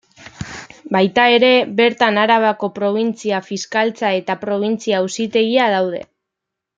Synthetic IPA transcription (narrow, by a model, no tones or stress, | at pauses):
bajt̪ae̞ɾe̞βe̞ɾt̪anaɾaβ̞ako̞pɾo̞β̞int͡siafiskalt͡sae̞t̪apɾo̞β̞int͡siausit̪e̞ɣiað̞awð̞e̞̰